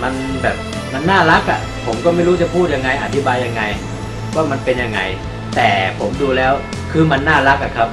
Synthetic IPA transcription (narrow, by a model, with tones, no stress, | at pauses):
ma˧n | bɛː˨˩p̚ | ma˧nːaː˥˩la˦˥k̚ʔa̰˨˩ | pʰo˩˦mkɔː˥˩ma˥˩jɾu˦˥t͡ɕa˨˩pʰuː˥˩t̪̚ja˧ŋːa˧jʔa˨˩t̪ʰːi˦˥baː˧jːa˧ŋːa˧j | waː˥˩ma˧npe˧nja˧ŋːa̰˧j | t̪ɛː˨˩pʰo˩˦mduː˧lɛː˦˥w | kʰɯː˧ma˧nːaː˥˩la˦˥k̚ʔa˨˩kʰa˦˥p̚